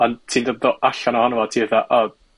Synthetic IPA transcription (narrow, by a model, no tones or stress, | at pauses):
ɔntʰiːndədɔʔaɬanɔhɔnvɔtʰiːveθaʔɔ